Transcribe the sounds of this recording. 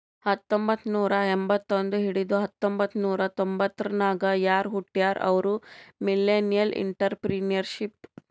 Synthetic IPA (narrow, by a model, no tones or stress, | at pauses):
hɐt̪ːombɐt̪ːnuːɾɐembɐt̪ːond̪uɦiɽid̪uɦɐt̪ːombɐt̪ːnuːɾɐt̪ombɐt̪ːɐɾɐnaːɡɐjaːɾɦuʈːjaːɾʔɐ̰ʋɐɾumilːeːnijɐlʔḭɳʈɐɾpɾiːnijɐɾʃip